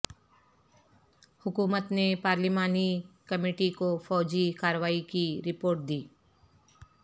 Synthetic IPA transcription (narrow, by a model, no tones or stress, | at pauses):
hʊkuːmət̪nepaːɾlɪmaːnikɐmeːʈikofɔːd͡ʒikaːɾəʋaːikiɾɪpoːɾʈ̚d̪iː